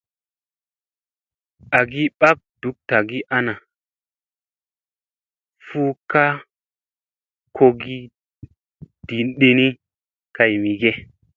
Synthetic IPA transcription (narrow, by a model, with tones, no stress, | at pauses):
a˨ɡi˦ɓa˦k̚d̥u˨˦k̚ta˨ɡi˦ʔa˦na˨ | fu˦ka˦ | kʰo˧ɡi˦ | d̥i˨nɗi˦ni˦ | ka˨jmi˨ɡe˦